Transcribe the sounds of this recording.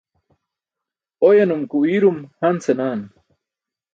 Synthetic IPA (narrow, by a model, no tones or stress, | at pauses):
ojɐnumkuiɾumhɐnsenaːn